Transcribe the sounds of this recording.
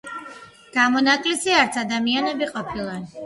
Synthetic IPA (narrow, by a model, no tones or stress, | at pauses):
ɡ̥amɔnakʼlisiaɾt̪sʰad̪amianɛbiqʼɔpʰilˠa